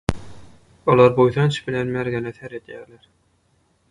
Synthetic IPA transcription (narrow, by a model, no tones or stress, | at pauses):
olˠɑɾbojθɑnt͡ʃʰbilenmæɾɡeneθeɾed̪jæːɾleɾ